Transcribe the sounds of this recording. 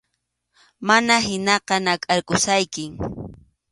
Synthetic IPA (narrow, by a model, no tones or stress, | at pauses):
manaɦɪnɑqɑnakʼaɾkʊsajkɪŋ